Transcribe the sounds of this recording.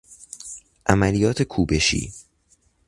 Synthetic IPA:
ʔæmælijɒːt̪ʰe̞kʰuːbe̞ʃḭː

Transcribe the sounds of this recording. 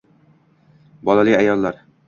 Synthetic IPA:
bɒlˠalɪajɒlˠːaɾ

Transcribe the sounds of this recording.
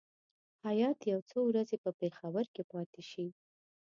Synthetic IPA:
hajɑt̪jawt͡sowɾazepəpexawəɾkepɑt̪eʃi

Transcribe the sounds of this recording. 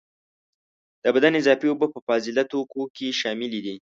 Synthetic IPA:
d̪̥əbad̪anɪzɑfiobapəfɑzɪlat̪okokeʃɑmɪlid̪i

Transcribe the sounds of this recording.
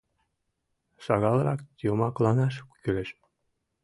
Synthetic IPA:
ʃɑɣɑlˠɾɑ̰kt̪ʲomɑklˠɑnɑʃkʲylʲɘ̆ʃ

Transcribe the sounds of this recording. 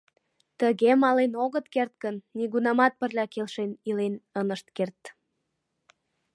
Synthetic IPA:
t̪əɣemɑlenoɣət̪kert̪̚kənːiɣunɑmɑt̪̚pərlʲɑkelʃenilenənəʃt̪̚kert̪

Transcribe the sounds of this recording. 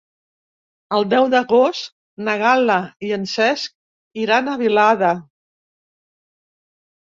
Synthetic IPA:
əlˠd̪ɛwðəɣost̪ | nəɣaləiənsɛsk̚ | iɾanəβilaðə

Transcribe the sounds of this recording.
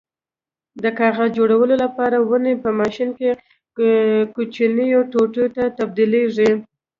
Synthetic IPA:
d̪əkɑɣazd͡ʒoɽawəlolapɑɾawənepəmɑʃinke | kut͡ʃinijawʈoʈot̪at̪ab̚d̪ileʐi

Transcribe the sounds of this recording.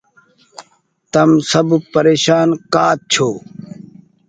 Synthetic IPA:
t̪ɐmsɐbpəɾeːʃaːnkaːt̪̚t͡ɕʰoː

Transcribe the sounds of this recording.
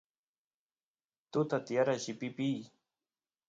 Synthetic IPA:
t̪ʊt̪at̪ɪjaɾaʃɪpɪpij

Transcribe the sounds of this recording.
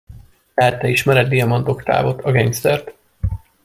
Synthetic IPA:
ɛt̪ɛiʃmɛɾɛd̪d̪ijɒmɒnt̪o̞kt̪a̰ːvo̞t̪ʰɒɡejmst̪ɛrt̪

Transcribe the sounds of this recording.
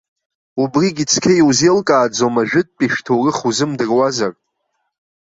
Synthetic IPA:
ubriɡʲit͡sʰkʲʰejwzelkʼaːd͡zomaʒᶣɪt̚ʼpʼiʃᶣtʰowrɨχuzɨmdɨrwazar

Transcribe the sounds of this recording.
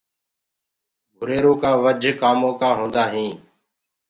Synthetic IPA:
ɡʱʊɾeːɾõːkaːʋəd͡ʒʱkaːmõːkaːɦõːnd̪aːɦĩː

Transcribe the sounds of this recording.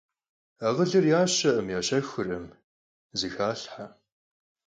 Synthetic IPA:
aːʁəɮɨrjaːɕɐʔəmjaːɕɐxʊrɐm | zɨxaːɬħa

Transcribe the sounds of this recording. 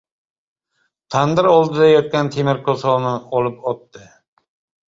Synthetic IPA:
t̪ʰand̪ɪɾɒlˠd̪ɪd̪ajɒt̪̚kʲant̪ʰemɪɾkʰosɒnɪɒlˠɪpɒt̪ːɪ

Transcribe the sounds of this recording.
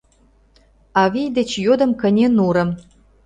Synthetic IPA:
ɑβijd̪ĕt͡ɕjod̪ə̆mkə̆nʲenuɾə̆m

